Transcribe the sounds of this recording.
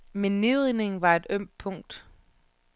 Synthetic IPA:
menːe̝ðʁine̝ŋ̩ʋɑ̈e̝d̥øm̰̥pʰɔ̽ŋ̰d̥

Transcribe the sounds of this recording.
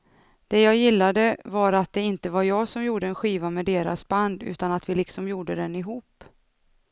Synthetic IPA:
d̪̥ɛjɑːjɪlːad̪əvaɾat̪̚d̪ɛɪnt̪əvaɾjɑːɡsɔmjuːɖəɛnɧiːvamɛd̪eːɾa̰sband̪ʉ̟̰ːt̪anat̪vɪlɪksɔmjuːɖəd̪ɛnɪɦuːpː

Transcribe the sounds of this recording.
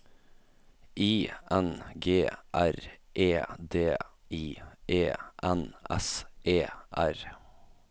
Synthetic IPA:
iːʔɛnɡeːʔæɾʔeːd̪eːiːʔeːʔɛnʔɛ̰sʔeːʔæɾ

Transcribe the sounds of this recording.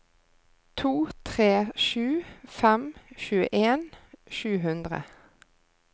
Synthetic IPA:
t̪ʰuːt̪ʰʁeːʃʉːfɛmʃʉːə̰ʔeːnʃʉːɦʉnd̪ʁə̰

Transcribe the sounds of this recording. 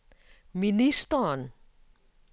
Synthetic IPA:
minist̪ɔn

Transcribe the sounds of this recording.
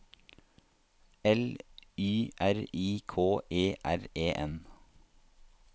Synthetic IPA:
ɛlyːʔæɾiːkʰoːʔeːʔæɾeːʔɛn

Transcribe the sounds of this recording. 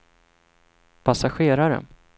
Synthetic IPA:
pʰasaɧeːɾaɾə̰n

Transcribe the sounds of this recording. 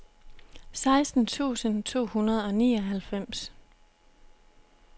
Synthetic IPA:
sɑ̈ɪsd̥n̩t͡sʰṵːsənt͡sʰo̝̰ːhunɐð̞̩ˠɒ̽niːɒɦælfem̰s

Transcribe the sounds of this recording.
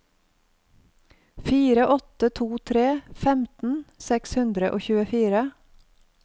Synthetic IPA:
fiːɾəʔɔt̪ət̪ʰuːt̪ʰɾeːfɛmt̪n̩sɛkshʉnd̪ɾəʔoːçʉːəfiːɾə

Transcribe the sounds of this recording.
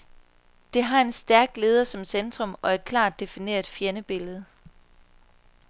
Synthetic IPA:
d̥e̝ɦɑ̈e̝nsd̥æɐɡ̥̚d̥le̝ːð̞ˠɐsɒ̽msend̥ʁɔ̽mɒ̽e̝d̥̚kʰlɑ̰̈ːd̥ːe̝fine̝̰ːɐð̥ˠfjenəb̥e̝ləð̞̩ˠ

